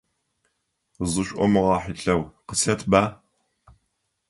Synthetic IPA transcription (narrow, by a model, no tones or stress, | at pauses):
zɨɕʷʼʔʷɔmɨʁɑːħiɬɐwqəsʰɐtʰbaː